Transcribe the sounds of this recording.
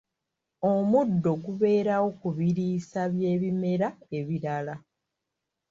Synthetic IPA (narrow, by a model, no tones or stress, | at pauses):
omudːo̞ɡuβe̞ːɾawo̞kuβiɾiːsaβje̞ːβime̞ɾae̞βiɾala